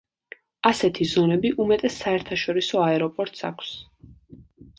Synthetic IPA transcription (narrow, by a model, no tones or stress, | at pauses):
asɛt̪ʰizɔnɛbiʔumɛt̪ʼɛsːaɛɾt̪ʰaʃɔɾisɔaɛɾɔpʼɔɾt̪ʼsa̰kʰs